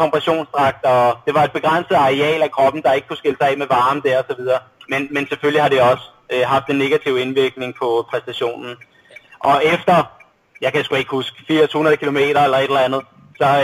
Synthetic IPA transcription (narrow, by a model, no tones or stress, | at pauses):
kɒ̽mpʰʁɑɕo̝̰ːnsd̥ʁɑ̈ɡ̥̚d̥ɒd̥e̝ʋɑ̈e̝d̥̚b̥e̝ɡ̥ʁan̰səð̩ˠɑ̈ʁiɛ̰ːlækʰʁɒ̽b̥n̩d̥ɑ̈e̝ɡ̥əkʰusɡ̥e̝ləsɑ̈ɛ̰ːmeʋɑ̈ːməd̥æɐ̰ɒ̽sɒ̽ʋið̞ˠɐːmenmenseføllihɑ̈deɒ̽s | øɦɑ̈fd̥enːe̝ɡ̥æt͡sʰiʊ̰e̝nʋiɐɡ̥ne̝ŋpʰɒ̽pʰʁɛsd̥æɕo̝̰ːnn̩ | ʔɒ̽efd̥ɐ | jɑ̈ɪkʰæsɡ̥ue̝ɡ̥əhusɡ̥fiɐshunɐðˠkʰilo̝me̝̰ːɾ̥ɐelɐe̝ɾ̥elænð̞̩ˠ | sɒ̽